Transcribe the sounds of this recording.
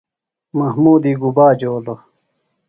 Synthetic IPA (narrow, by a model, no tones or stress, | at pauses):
mɐhmuːd̪iːɡubaːd͡ʑoːlo